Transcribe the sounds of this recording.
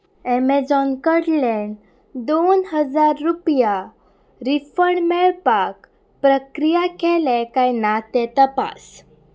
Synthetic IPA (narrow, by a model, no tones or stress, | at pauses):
ɛmed͡zɔnkəɽlɛ̃ɳɖ | d̪onɦəd͡zaɾːupja | ɾifəɽmeɾpak | pɾəkɾijakɛlɛ̃kajnat̪ɛt̪əpa̰s